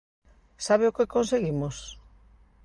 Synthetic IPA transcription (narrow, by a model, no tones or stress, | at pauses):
saβeokekõnseɣimos